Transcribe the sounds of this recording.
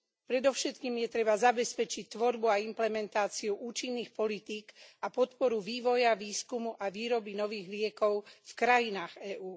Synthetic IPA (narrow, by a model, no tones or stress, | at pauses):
pɾɛd̪ɔʊʃɛt̪kiːmjɛt̪ɾɛbazabɛspɛt͡ʃic̚t̪ʋɔɾbuaimplɛmɛnt̪aːt͡siuʔuːt͡ʃinːiːxpɔlit̪iːkapɔt̪pɔɾuʋiːʋɔjaʋiːskumuʔaʋiːɾɔbinɔʋiːɣlɪɛkɔʊfkɾajinaːɣɛːʔuː